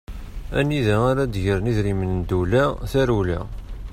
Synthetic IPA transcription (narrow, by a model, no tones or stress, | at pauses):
æ̰nːiðæaɾad̪ʝəɾniðɾimənd̪ulæθæɾulæ̰